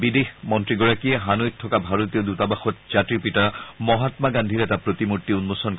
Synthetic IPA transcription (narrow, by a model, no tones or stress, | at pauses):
bidexmɔntɹiɡɔɹakieɦanojt̚tʰɔkabʱaɹot̪ijodutabaxɔt̚z̥atɹipitaɹmɔɦat̪maɡand̪ʱiɹɛtapɹot̪imutːiunmosɔnk